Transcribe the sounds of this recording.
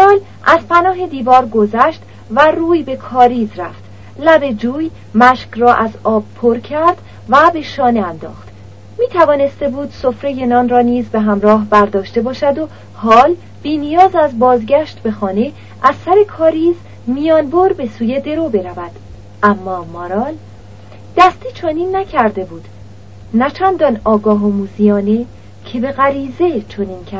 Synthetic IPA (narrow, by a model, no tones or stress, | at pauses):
ɒːl | ʔæzpʰænɒːɦe̞d̪iːvɒːɾɡo̞zæʃt̪ | væruːjbe̞kʰɒːɾiːzɾæft̪ | læbe̞d͡ʒuːj | mæʃkrɒːʔæzɒːb̚pʰoɾcʰæɾd̪̥ | væbe̞ʃɒːne̞ænd̪ɒ̰ːxt̪ | miːt̪ʰævɒːne̞st̪e̞buːd̪̥so̞fɾe̞jenɒːnrɒːniːzbeɦæmɾɒːɦbæɾd̪ɒːʃt̪e̞bɒːʃæd̪o | hɒːl | b̥iːnijɒːzæzbɒːzɟæʃt̪be̞xɒːne̞ | ʔæzsæɾe̞kʰɒːɾiːz | mijɒːnboɾbe̞suːje̞d̪e̞ɾobe̞ɾævæd̪̥ | ʔæmːɒːmɒɾɒːl | d̪̥æst̪iːt͡ʃʰoniːnːæcʰæɾd̪e̞buːd̪̥ | næt͡ʃʰænd̪ɒnɒːɡɒːɦomuːzijɒːne̞ | cʰe̞be̞ɣæɾiːze̞t͡ʃʰoniːncʰæ